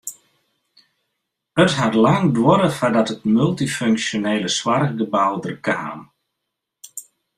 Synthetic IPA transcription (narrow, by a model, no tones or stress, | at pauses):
ətɦatlaŋdwɔɾəfadɔtətmɵlˠtiføŋksjoneːləswarɡəbawdərkʰa̰ːm